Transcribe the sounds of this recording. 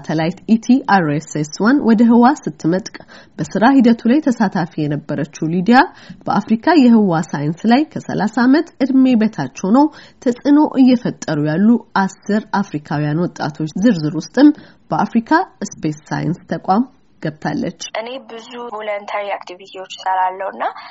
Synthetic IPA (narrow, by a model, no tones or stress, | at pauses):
t̪ʰəlajt̪it̪ʰiaɾeseswanwɔd̪əɦɨwasɨt̪ʰːɨmət̪ʼkʼbəsɨɾaɦid̪ət̪ʰulajt̪ʰəsat̪ʰafijɛnəbːəɾət͡ʃːulid̪ijab̥əʔafɾikʰajɛɦɨwasajɨnslajkʰəsə̰lasamət̪ɨd̪me̞bet̪ʰat͡ʃːɛwnəwt̪ʰəsʼɨno̞ʔɨjːɛfət̪ʼːəɾujalːuʔasɨɾafɾikʰawijanwɔt̪ʼːa̰t̪ʰo̞t͡ʃːzɨɾzɨɾwʊst̪ʼɨm | b̥əafɾikʰaspesːa̰jɨ̰nst̪ʰəkʷʼam | ɡ̥əbt̪ʰa̰lːə̰t͡ʃːʔɨne̞bɨzuvolənt̪ʰaɾiakt̪ʰivit̪ʰiwo̞t͡ʃːsəɾalːəwɨnːa